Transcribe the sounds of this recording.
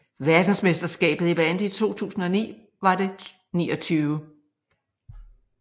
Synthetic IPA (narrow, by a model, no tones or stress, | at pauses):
ʋæɐd̥n̩sme̝sd̥ɐsɡ̥ɛ̰ːb̥ð̩ˠib̥ænd̥it͡sʰo̝̰ːt͡sʰṵːsn̩ɒnḭː | ʋɑ̈de̝ | niːɒ̽t͡sʰyːʊə